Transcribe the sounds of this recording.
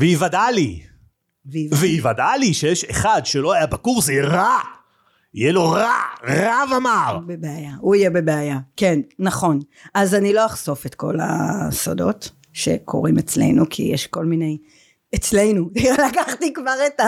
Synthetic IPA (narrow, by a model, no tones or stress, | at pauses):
veivadali | veivveivadaliʃejeʃeχadʃelo̞ajabakuʁsjeʁa | ijɛlo̞ʁaʁavamaʁbebeajauijebebeajakenːaχo̞n | azanilo̞aχso̞fetko̞̰la̰so̰do̞̰t | ʃe̞̰kʰo̞̰ʁimet͡slḛjnukʰḭjeʃko̞lminej | et͡sle̞jnudialakaχtikvaʁeta